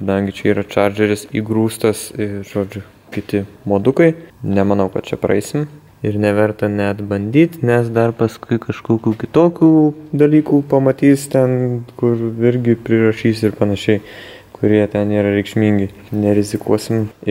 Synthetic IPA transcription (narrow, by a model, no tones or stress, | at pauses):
kɐd̪ɐŋʲɡʲɪt͡ʃʲɛiːɾɐt͡ʃɑːrʲd͡ʒʲɛɾʲɪsiːɡɾuːst̪ɐsɪʒ̥oːd͡ʒʲʊ | kʲɪt̪ʲɪmoːd̪ʊkɐɪnʲɛmɐnɐʊkɐt̪t͡ʃʲɛpɾɐ̰ɛɪsʲɪm | ɪrnʲɛʋʲɛrt̪ɐnʲɛt̪bɐnʲd̪ʲiːt̪ʲnʲɛsd̪ɐrpɐskʊɪkɐʃkoːkʲuːkʲɪt̪oːkʲuːd̪ɐlʲiːkuːpɐmɐt̪ʲiːst̪ʲɛnkʊrɪɾʲɡʲɪpʲɾʲɪrɐʃʲiːsɪrpɐnɐʃʲɛɪ | kʊɾʲiɛt̪ʲɛniːɾɐɾʲɛɪkʃʲmʲiːŋʲɡʲɪ | nʲɛɾʲɪzʲɪkuɔsʲɪm